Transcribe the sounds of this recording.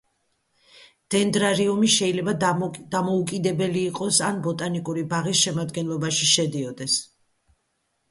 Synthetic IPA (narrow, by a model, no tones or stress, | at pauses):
d̪̥ɛnd̪ɾaɾiumiʃɛilɛbad̪̥amɔukʼid̪ɛbɛliːqʼɔsanbɔt̪ʼanikʼuɾibaʁisʃɛmad̪ɡɛnlˠɔbaʃiʃɛd̪iɔd̪ɛs